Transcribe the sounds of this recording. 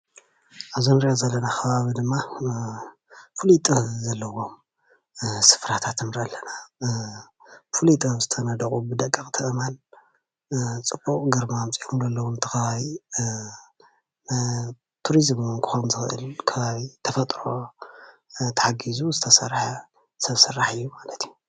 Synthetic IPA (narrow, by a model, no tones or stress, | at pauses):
ʔaβzonɾiʔozɐlːɐnaxʰɐβaβid̪ɨmːa | fulut̪ʼɨhzɐlːɐwo̞m | sɨ̥fɾat̪ʰat̪ʰɨmɾalːɐna | fulit̪ʼɨβzɨt̪ʰɐnɐd̪ɐkʼubɨd̪ɐkʼːɐxʼt̪ʰɨʔɨmal | t͡sʼɨbukʼɡɐɾmamt͡sʼiomzɐlːɐwunɨt̪ʰɐ̥xɐβaβi | n | t̪ʰuɾizmnkʰɨ̥xonzɨxɨʔɨ̰lkʰɐβaβit̪ʰɐfɐt̪ʼɾo̞ | t̪ʰɐħaɡizuzɨt̪ʰɐsɐrħa | sɐβsɐrːaħɨjːumalɐt̪ʰiju̥